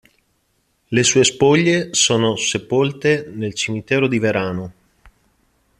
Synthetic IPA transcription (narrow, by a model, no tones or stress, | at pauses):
lesuːespoʎːesoːnosepolt̪enelt͡ʃimit̪ɛːɾod̪iveɾaːno